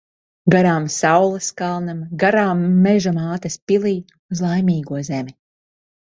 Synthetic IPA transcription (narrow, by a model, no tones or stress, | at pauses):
ɡaɾaːmsawlˠɨskalˠnamɡaɾaːmːɛʒamaːt̪ɐspʲilˠiː | uzlˠajmiːɡuɔzɛmʲi